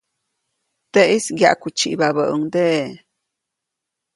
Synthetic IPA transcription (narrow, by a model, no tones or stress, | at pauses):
d̪̥eʔisɡja̰ʔkut͡ʃiʔbabəʔəŋd̪eʔ